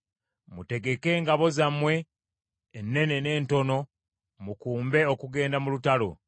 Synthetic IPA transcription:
mute̞ɡe̞ke̞ŋɡaβo̞zamwe̞ː | nːe̞ne̞ne̞ːnto̞no̞ | mukuːmbe̞okuɡe̞ːndamulutalo̞̰

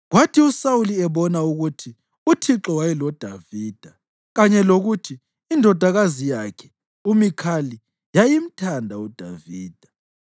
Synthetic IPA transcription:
ɣwatʰiusauliɛβɔnauɣutʰi | utʰiǁɔwajɛlɔd̥ʱaviːd̥ʱa | ɣaɲɛloɣutʰiː | ndʱɔd̥ʱaɣazijakʰɛ̥ | umikʰali | jajim̩tʰandʱaud̥ʱaviːd̥ʱa

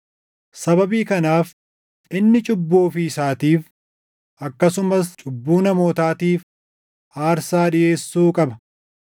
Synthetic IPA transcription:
sɐbɐbiːkɐnaːf | ʔɪnːɪt͡ʃʼʊbːoːfɪɪsaːt̪iːf | ʔɐkːɐsʊmɐst͡ʃʼʊbːuːnɐmoːt̪aːt̪iːf | ʔaːɾsaːᶑɪʔe̞ːsːuːkʼɐbɐ

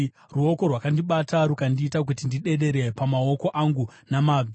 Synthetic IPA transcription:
ruo̞ko̞rwakandiɓataɾukandiːtak̬utindiɗe̞ɗe̞ɾe̞pamao̞ko̞ʔaŋɡunamaː

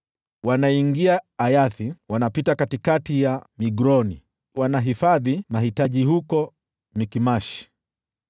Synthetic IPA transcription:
wanaiŋɡiaːjaθiwanapitakatikatijamiɡɾɔni | wanaɦifaðimahitaʄihukɔ | mikimaʃi̥

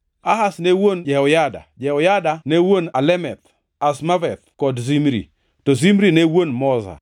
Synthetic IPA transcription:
aɦasnewond͡ʒɛɔjada̰d͡ʒɛɔjadanewonalɛmɛt̪ | asmavɛt̪̚kɔdzimɾḭ | tɔzimɾinewonmɔza̰

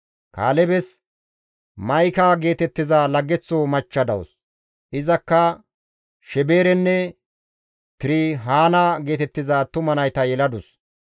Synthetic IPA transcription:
ka̰ːlɛbɛs | mɐjkaːɡe̞ːt̪ɛt̪ːɪzaːlɐɡːɛt͡sːoːmɐt͡ʃːɐd̪ɐ̰w̰s | ʔɪzɐkːɐ | ʃɛbeːɾɛnːɛ | t̪ɪɾɪɦaːnaːɡe̞ːt̪ɛt̪ːɪzaːt̪ʊmɐnɐjt̪ɐjɛlɐd̪ʊs

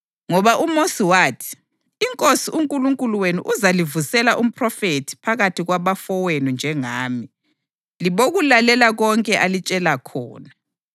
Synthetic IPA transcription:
ŋɔβaʔumosiwaːtʰi̥ | iŋkʼosiuŋkʼuluŋkʼuluwenuʔuzalivusɛlaʔum̩pʰʼrɔfetʰi̥pʰaɣatʰiɣwaβafɔwenund͡ʒʱɛŋaːmi | liβoɣulalɛlaɣɔŋkʼɛʔalit͡ʃʼɛlakʰɔ̰ːna

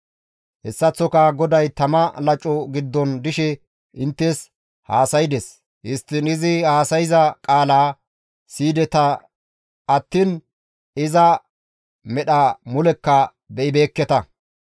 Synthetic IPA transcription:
hɛsːɐt͡sːɔkɐɡɔd̪ɐjt̪ɐmɐlɐt͡ʃʼːɔɡɪd̪ːɔnd̪ɪʃɛ | ʔɪnt̪ːes | haːsɐjɪd̪ɛs | hɪst̪ːɪnɪzɪhaːsɐjɪzɐkʼaːlaː | siːd̪ɛt̪ɐ | ɐt̪ːin | ɪzɐ | mɛɗɐmʊlɛkːɐ | bɛʔɪbe̞ːkːɛt̪ɐ

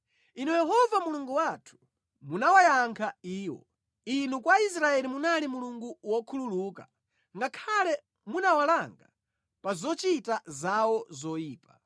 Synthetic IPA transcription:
inujɛɦɔvamuluŋɡuwatʰu̥ | munawajaŋkʰaiːwɔ̰ | inukwais̬ɾaɛlimunalimuluŋɡuwɔkʰululuːka̰ | ŋɡakʰalɛ | munawalaŋɡa | pazɔt͡ʃitazawɔzɔjiːpa

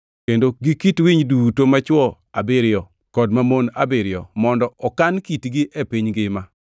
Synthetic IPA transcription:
kendoɡikitwiɲdutomat͡ʃwɔ | abɪɾjɔ | kɔdmamona̰bɪɾɪjɔ̰mɔndɔɔkankitɡiʔepiɲɡɪma

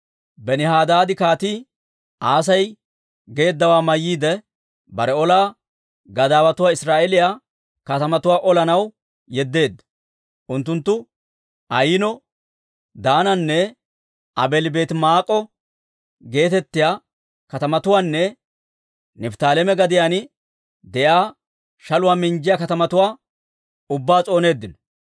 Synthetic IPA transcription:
bɛnɪhaːd̪aːd̪ɪkaːt̪iː | ʔaːs̬ɐj | ɡe̞ːd̪ːɐwaːmɐjːiːd̪ɛ | bɐɾɛɔlaː | ɡɐd̪aːwɐt̪ʊwaːɪsɾaːʔɛlɪjaː | kɐt̪ɐmɐt̪ʊwaːʔɔlɐnɐw | jɛd̪ːe̞ːd̪ːɐ̥ | ʔʊnt̪ːʊnt̪ːʊ | ʔɐjɪnɔ | d̪aːnɐnːɛ | ʔɐbɛlbe̞ːt̪maːkʼːɔ | ɡe̞ːt̪ɛt̪ːɪjaː | kɐt̪ɐmɐt̪ʊwaːnːɛ | nɪbt̪aːlɛmɛɡɐd̪ɪjaːnɪ | d̪ɛʔaː | ʃɐlʊwaːmɪnd͡ʒɪjaːkɐt̪ɐmɐt̪ʊwaː | ʊbːaːt͡sʼo̞ːne̞ːd̪ːɪnɔ̥

